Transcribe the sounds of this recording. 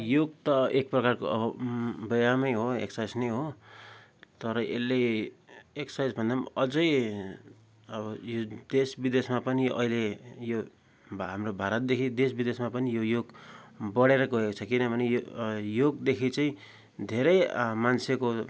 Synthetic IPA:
joɡt̪ʌek̚prʌkarko | bʌjamʌjɦoḛksajsnʌjɦo | t̪ʌɾʌʔḛlːe | eksajd͡zbʱʌnd̪amʌd͡zʌj | ʌbʌjod̪esbid̪esmapʌniʔʌ̰ɦilejo | ɦamrobʱaɾʌt̪̚d̪ekʰid̪esbid̪esmapʌnijojoɡbʌɽeɾʌɡʌɦekot͡sʰʌkinʌbʱʌnejojoɡd̪ekʰit͡saĩ | d̪ʱeɾʌjmanseko

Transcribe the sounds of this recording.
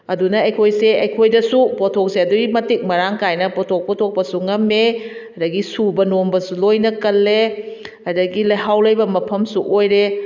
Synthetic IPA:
ɐdunɐɐjkʰojseɐjkʰojdɐsupotʰok̚seɐduimɐtik̚mɐɾaŋkajnɐpɔtʰok̚potʰok̚pɐsuŋɐme | ɐdɐɡisubɐnombɐsulojnɐkɐlːe | ɐdɐɡilɐjɦawlɐjbɐmɐpʰɐmsuʔojɾe

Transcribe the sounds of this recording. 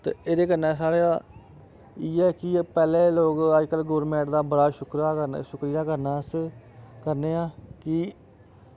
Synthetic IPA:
t̪ḛːeːd̪eːkənːɛ̃ːsaːɽeaː | iːɛːkɪpɛːlẽːloːkəd͡ʒkəlɡoːɾmɛ̃ːɳʈd̪aːbəɽaːʃʊkɾaːəʃʊkɾɪjaːkəɾnaːs | kəɾneːãːkɪ

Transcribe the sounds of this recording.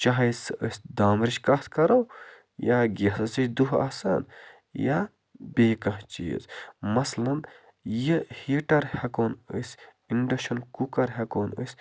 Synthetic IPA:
t͡ʃaɦɐjsə̰sʲd̪aːmɾit͡ʃkat̪ʰkɐɾɐw | jaːɡʲesɐsit͡ʃʲd̪uɦa̰ːsa̰ːn | jaː | beːkɐɦt͡ʃḭːzmɐslɐn | jəhiːʈɐɾhɐkoːnə̰sʲ | iɳɖɐʃɐnkukɐɾɦɐkoːnə̰sʲ

